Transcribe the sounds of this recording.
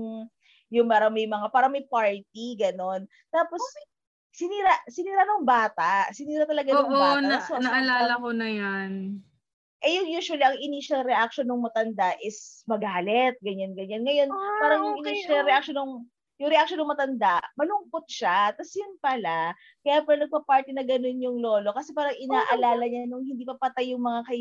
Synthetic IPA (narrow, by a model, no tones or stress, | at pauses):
jʊŋmaːɾɐmɐjmɐŋapaːɾɐmɐjpaɹt̪̚iɡɐno̞n | t̪aːpo̞s | sɪniːɾaʔsɪniːɾanʊŋbaːt̪asɪniːɾɐt̪ɐlɐɡaŋbasɐnɐɐlaːlɐkonɐjan | ʔɛjʊŋjuːʃwɐliʔɐŋʔɪniʃɐlɾɛʔak̚ʃonʊŋmɐt̪ɐnd̪aʔɪsmɐɡaːlɛt̪̚ɡɐɲanɡɐɲanŋɐjo̞npaːɾɐŋjʊŋɪniʃɐlɾɛʔak̚ʃonːoŋ | jʊŋɾɛʔak̚ʃonːɐŋmɐt̪ɐnd̪amɐlʊŋpot̪̚ʃat̪asjʊnpɐla | kɐjaːpɾɛnɐɡ̚pɐpaɹt̪inɐɡɐno̞njʊŋlo̞ːlo̞kɐsɛpaːɾɐŋɪnaːʔɐlaːlɐɲanʊŋhɪnd̪iːpɐpɐt̪ajːʊŋmɐŋakɐ